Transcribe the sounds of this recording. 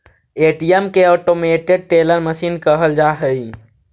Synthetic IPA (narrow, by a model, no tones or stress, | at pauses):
eːʈijəmkeɔːʈomeːʈɪɡ̚ʈeləɾməʃiːnkəɦəld͡ʒaːɦəi